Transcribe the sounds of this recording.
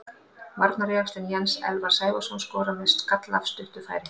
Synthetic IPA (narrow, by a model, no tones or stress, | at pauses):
maɾt̪naɾɛjakst̪ʏnjɛnsɛ̰lvaɾ̥saːjvasɔnskɔːɾamɪst̪kat̪la̰fst̪ʏht̪ʏfaːjɾɪ